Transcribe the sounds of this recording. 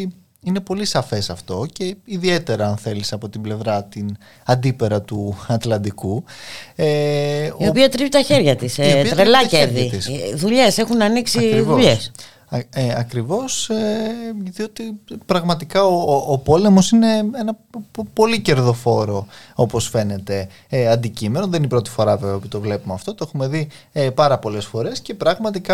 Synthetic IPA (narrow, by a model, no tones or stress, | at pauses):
ine̞po̞lisɐfe̞sɐft̪o̞ce̞iðie̞t̪e̞ɾɐːnθe̞lisɐpo̞t̪ible̞vɾɐt̪in | ɐnd̪ipe̞ɾɐt̪uɐt̪lɐnd̪iku | eiopiɐt̪ɾivit̪ɐçe̞ɾʝɐt̪iseit̪ɾelɐceɾðit̪isðuʎe̞se̞xunɐniksiiðvouʎes | eɐkɾivo̞seðiot̪ipɾɐɣmɐt̪ikɐoːpo̞le̞mo̞sine̞enɐpo̞lice̞ɾðo̞fo̞ɾo̞o̞po̞sfe̞ne̞t̪e̞ | ɐnd̪icime̞noðeninipɾo̞t̪i̥fo̞ɾɐve̞veopit̪o̞vlepumeɐft̪ot̪oexume̞ði | pɐɾɐpo̞le̞sfo̞ɾe̞sce̞pɾɐɣmɐt̪ikɐ